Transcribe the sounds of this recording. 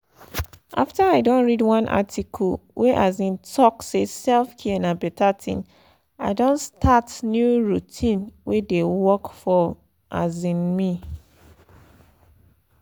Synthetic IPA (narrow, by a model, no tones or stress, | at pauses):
ʔaftaaɪdõnɹidwãnʔa̰tʰikʰɔlwʔeʔazĩntʰɔksesɛlfkʰiɛnabɛtʰatʰḭ̃n | aɪdõnstʰatnjuɹutʰĩnwedewɔkfɔ | ʔa̰zĩnmi